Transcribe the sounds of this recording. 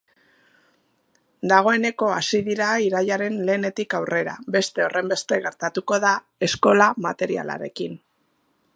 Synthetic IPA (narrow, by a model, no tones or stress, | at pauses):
d̪aɣ̞o̞e̞ne̞ko̞asiðiɾaiɾaʎaɾe̞nle̞ːne̞t̪ikawre̞ɾa̰be̞st̪e̞o̞rʔe̞mbe̞st̪e̞ɣe̞ɾt̪at̪uko̞ða | e̞sko̞lamat̪e̞ɾia̰la̰ɾe̞kin